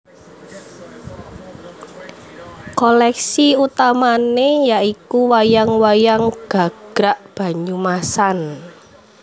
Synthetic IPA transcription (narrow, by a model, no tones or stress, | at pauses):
kɔlɛksiut̪amanejaikuwajaŋwajaŋɡ̥a̤ɡ̥ɾaʔb̥ä̤ɲumasan